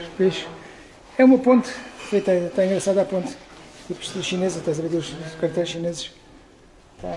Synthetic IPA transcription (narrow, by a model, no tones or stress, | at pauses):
biʃu̥ | ɛumɐpõnt̪fet̪ɐt̪aĩŋɡɾɐsaðapõnt̪t̪ipʃt̪ʃinezzɐt̪ɛs̬ɐβeɾiuʃkɐɾt̪ɛɾʃinezɨʃ | t̪a